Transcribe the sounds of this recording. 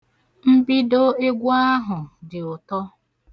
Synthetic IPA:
m̩˦bi˦do˦e˦ɡʷu˦a˦ɦʊ˨dɪ˨ʊ˨tɔ˦

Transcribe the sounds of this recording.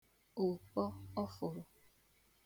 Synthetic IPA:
o˨wk͡pɔ˦ɔ˦fo˨ɾo˨

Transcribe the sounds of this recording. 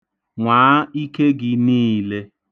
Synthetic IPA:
ŋʷaː˨˦i˦ke˦ɡɪ˨niː˦le˦

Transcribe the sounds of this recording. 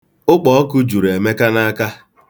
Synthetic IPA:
ʊ˦k͡pɔ˨ɔ˦kʊ˦d͡ʒu˨ɾe˨me˦ka˦na˦a˦ka˦

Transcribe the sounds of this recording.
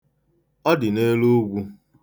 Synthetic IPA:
ɔ˦dɪ˨ne˦lu˦ɡʷu˦

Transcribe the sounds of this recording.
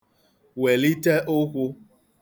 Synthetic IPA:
we˨li˦te˦ʔʊ˦kʷʊ˦

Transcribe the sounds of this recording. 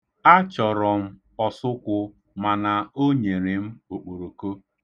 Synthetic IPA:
a˦t͡ʃɔ˨ɾɔ˨m̩˦ | ɔ˨sʊ˦kʷʊ˦ | ma˨na˨o˦ɲe˨ɾe˨m̩˦o˨k͡po˨ɾo˨ko˦

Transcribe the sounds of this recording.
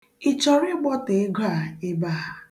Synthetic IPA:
i˨t͡ʃɔ˨ɾɪ˦ɡ͡bɔ˦te˨˦ɡa˦˨e˦baː˦˨a˨

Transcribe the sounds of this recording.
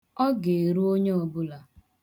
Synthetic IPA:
ɔ˦ɡe˨e˨ɾu˦o˦ɲe˦o˨bʊ˦la˨

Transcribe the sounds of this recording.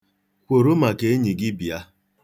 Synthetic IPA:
kʷo˨ɾo˦ma˨ke˨˦e˦ɲi˨ɡɪ˦bi˨a˦

